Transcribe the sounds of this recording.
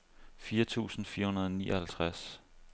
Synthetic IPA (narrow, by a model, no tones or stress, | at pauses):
fiːɐt͡sʰṵːsn̩fiːɐhunɐðˠɒnḭːʔɐhælt͡sʰʁas